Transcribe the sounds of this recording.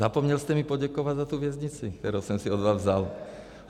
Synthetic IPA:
apɔmɲɛlscɛmipɔɟakɔʋaɟzat̪uʋɪɛzɲit͡sit̪ɛɾɔsɔmsiɔd̪ʋaːvzal

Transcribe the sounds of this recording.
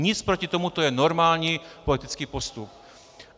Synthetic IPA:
ɲɪt͡spɾocɪt̪o̞mut̪ojɛno̞ɾmaːlɲiːpo̞lɪt̪ɪt͡skiːpo̞st̪up̚

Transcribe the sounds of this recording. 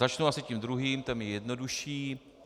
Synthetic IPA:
at͡ʃnuʔasɪcimd̪ɾuɦiːmt̪ɛmjijɛdnoduʃiː

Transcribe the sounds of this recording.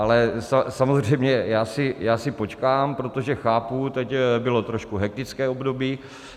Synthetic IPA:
ʔalɛsasamozr̝ɛjmɲɛjaːsɪjaːsɪpo̞t͡ʃkaːmpɾo̞t̪o̞ʒɛxaːput̪ɛcbɪlo̞t̪ɾoʃkuɦɛk̚t̪ɪt͡skɛːobdo̞biː

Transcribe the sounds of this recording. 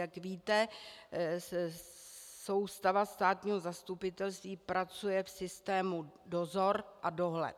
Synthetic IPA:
jakviːt̪ɛ | so̞wst̪avast̪aːt̪ɲiːɦo̞zast̪upɪt̪ɛlst̪viːpɾat͡sujɛfsɪst̪ɛːmudo̞zo̞ɾʔado̞ɦlɛ̰t̪

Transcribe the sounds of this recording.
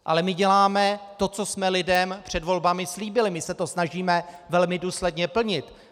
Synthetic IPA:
ʔa̰lɛmɪɟɛlaːmɛt̪o̞t͡so̞smɛlɪdɛmpr̝̥ɛdvo̞lbamɪsliːbɪlɪmɪsɛt̪o̞snaʒiːmɛvɛlmɪduːslɛdɲɛpl̩ɲɪt̪

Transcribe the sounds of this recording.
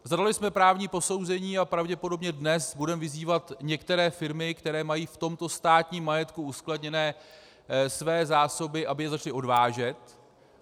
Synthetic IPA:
zadalɪsmɛpɾaːvɲiːpo̞so̞wzɛɲiːapɾavɟɛpo̞do̞bɲɛdnɛsbudɛmvɪziːvat̪ɲɛkt̪ɛɾɛːfɪɾmɪkt̪ɛɾɛːmajiːft̪o̞mt̪o̞st̪aːt̪ɲiːmːajɛt̪kuuskladɲɛnɛː | svɛːzaːso̞bɪʔabɪjɛzat͡ʃlɪʔo̞dvaːʒɛt̪

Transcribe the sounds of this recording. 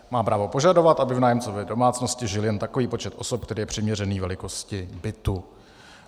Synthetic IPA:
maːpɾaːvo̞po̞ʒado̞vat̪ʔabɪvnaːjɛmt͡sovɛːdo̞maːt͡sno̞scɪʒɪljɛnt̪ako̞viːpo̞t͡ʃɛt̪ʔo̞sop̚kt̪ɛɾiːjɛpr̝̥ɪmɲɛrɛniːvɛlɪko̞scɪbɪt̪u

